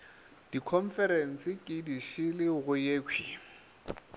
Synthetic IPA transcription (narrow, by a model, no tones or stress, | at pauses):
d̥ikʰɔɱfɛɾɛn̩sɪkʼɪdiʃɪlɪɣʊjeːkʰwi